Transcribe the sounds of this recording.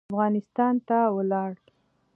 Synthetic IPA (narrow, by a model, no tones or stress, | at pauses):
fɣɑnɪst̪ɑnt̪awəlɑɽ